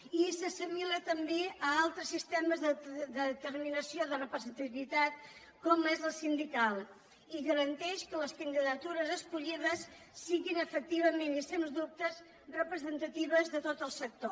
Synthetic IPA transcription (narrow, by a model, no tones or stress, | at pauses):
isəsimilət̪əmbeəalˠt̪ɾəsːist̪ɛməzðəd̪əðət̪ərminəsioðərəpɾəzənt̪iβit̪at̪̚ | kɔmezləsind̪ikalˠ | iɣəɾənt̪ɛʃkələskənd̪iðət̪uɾəzəskuʎiðəsː | iɣinəfək̚t̪iβəmenisenzd̪up̚t̪əz | rəpɾəzənt̪ət̪iβəzðət̪ot̪əlˠsək̚t̪o